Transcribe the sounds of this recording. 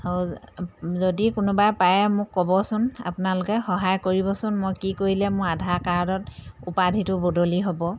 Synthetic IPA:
zodikʊnʊbajpajɛmʊkːɔbɔsʊna̰pʊnalʊkɛxɔɦajkoɹibɔsʊnmojkikoɹilɛmʊɹadʱaɹkaɹdɔt̚upadʱitʊbodʱoliɦobɔ

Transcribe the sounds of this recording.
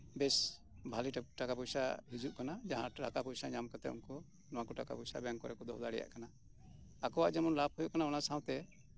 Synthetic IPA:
bɛs | bʱaliʈʈakapɔjsa̰ɦid͡ʒuʔkanad͡ʒaɦãɾakapɔjsaɲamkat̪ɛṵnkɔ | nɔwãkɔʈaka̰pujsabɛŋkɔɾɛkɔd̪ɔ̰ɦd̪aɽɛja̰ʔkana | akɔwa̰ʔd͡ʒɛmɔnlap̚hujɔʔkanaɔnasaw̃t̪ɛ

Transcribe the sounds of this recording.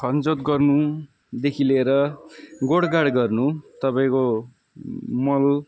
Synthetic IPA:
kʰʌnd͡zot̪ɡʌrnu | d̪ekʰileɾʌɡoɽɡaɽɡʌrnut̪ʌpaĩko | mʌl

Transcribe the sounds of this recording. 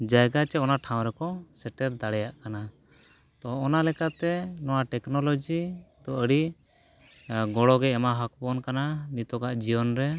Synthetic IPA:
d͡ʒajɡat͡ʃɛɔnaʈʰaw̃ɾɛkɔsɛʈɛɾd̪aɽɛjaʔkana | t̪ɔːnalɛkat̪ɛnɔwaʈɛknɔlɔd͡ʒid̪ɔəɽi | ɡɔɽɔɡɛɛmaɦak̚pɔnkananit̪ɔkaʔd͡ʒibɔnɾɛ

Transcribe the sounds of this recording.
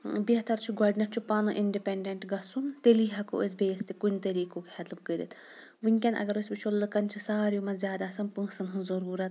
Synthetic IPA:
biɐt̪ɐɾt͡ʃʰuɡɔːɖinɐʈ̚t͡ʃʰupɐnɨʔiɳɖipeɳɖeɳʈɡɐsunt̪eliɦɐko̰ʔes̬ʲbeːst̪ikunʲt̪ɐɾiːkokhɐt̪lɨb̚kəɾit̪ | ʋɨŋkʲɐnʔɐ̰ɡɐɾosʲbit͡ʃʰolːɨkɐnt͡ʃʰisaːɾjumɐzʲjaːd̪aːsɐnpɨ̃ːsɨnɦɨ̃zɐɾuːɾɐt̪

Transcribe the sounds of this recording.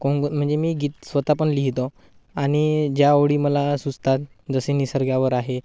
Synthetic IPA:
kõŋɡm̤əɳd͡zemiːɡiːt̪sʋət̪apəɳliɦit̪o | aɽ̃id͡ʑjaəʋɽiːməlasud͡zt̪at̪̚ | d͡zəsenisəɾɡjaʋəɾaɦe

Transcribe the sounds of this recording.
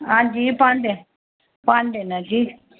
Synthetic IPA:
ad͡ʒipand̪e | panɖenãd͡ʒi

